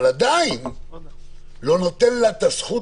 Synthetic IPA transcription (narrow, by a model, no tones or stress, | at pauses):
lad̪ain | lo̞no̞t̪enlat̪asχu